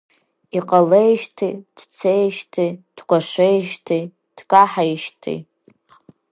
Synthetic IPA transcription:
iqʼalejʃtʰid̥t͡sʰejʃtʰid̥kʷaʂejʃtʰi | d̥kʼaħajʃtʰḭ

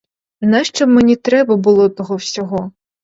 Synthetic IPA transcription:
znɛʃt͡ʃɔbmenʲit̪ɾɛbɐbʊlˠɔt̪ɔɦɔwsʲɔɦɔ

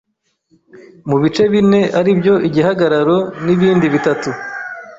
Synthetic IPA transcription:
muβit͡ʃe̞βine̞ʔaɾibjo̞ʔiɟiɦaɡaɾaɾo̞niβiːndiβitatu

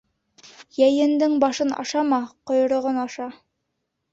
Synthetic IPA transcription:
jæjɘ̆nd̪ɘŋbɑʃɤnɑ̰ʃɑmɑqŏjŏɾŏʁɤnɑʃɑ

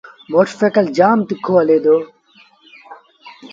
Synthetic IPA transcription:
moʈfekɐld͡ʑaːmt̪ikʰːoːɐleːd̪oː

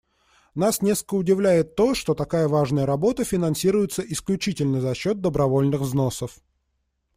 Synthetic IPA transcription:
nasnʲe̞skəkəʊdʲɪvlʲæjɪt̪ːo̞ʂt̪o̞t̪ɐkajəvaʐnəjəɾɐbo̞t̪əfʲɪnɐnsʲiɾʊjɪt̪səʔɪsklʲʉt͡ɕitʲɪlʲnəzɐɕːo̞t̪̚d̪əbɾɐvo̞lʲnɨxvzno̞səf

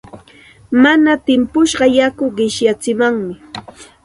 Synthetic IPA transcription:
manat̪ɪmpʊʃɢɑjakʊɢɪʃjat͡sɪmaŋmɪ

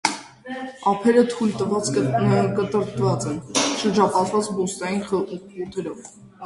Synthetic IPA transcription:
ɑpʰɛɾət̪ʰujlt̪əvɑt͡skət̪əɾt̪vɑt͡sɛnʃəɾd͡ʒɑpɑt̪ʰvɑt͡sbɔst̪ɑjinjut̪ʰɛɾɔv

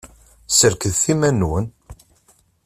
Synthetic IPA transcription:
səɾkəðθimænwən

